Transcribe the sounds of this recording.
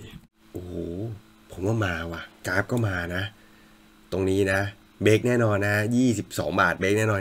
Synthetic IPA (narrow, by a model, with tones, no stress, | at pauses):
ʔuː˨˩ | pʰo˨˩˦mwaː˥˩maː˧wa˨˩kaː˦˥p̚kɔː˥˩maː˧na˦˥ | t̪o˧ŋniː˦˥na˦˥ | beː˦˥k̚nɛː˥˩nɔː˧nːa˦˥jiː˥˩si˨˩p̚sɔ̰ː˩˦ŋbaː˨˩t̪̚be˦˥k̚nɛː˥˩nɔː˧